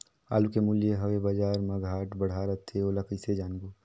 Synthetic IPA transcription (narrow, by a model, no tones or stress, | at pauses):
a̰ːlukemuljeɦɐʋebəd͡ʒaːɾmɐɡʱaːʈbəɽ̤aːɾət̪ʰːeolɐkəɪsed͡ʒaːnɡuː